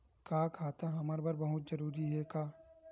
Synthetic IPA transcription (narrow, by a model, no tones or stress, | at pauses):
kaːkʰaːt̪aɦɐməɾbɐɾbɐɦʊt̪d͡ʒɐɾuːɾiɦɛkaː